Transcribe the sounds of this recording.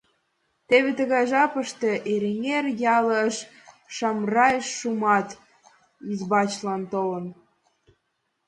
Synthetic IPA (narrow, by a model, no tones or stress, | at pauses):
t̪eβet̪əɣɑjʒɑpəʃt̪eʔeɾeŋerjɑləʃ | ʃɑmrɑjeʃːumɑt̪ | izbɑt͡ɕlɑnt̪olə̆n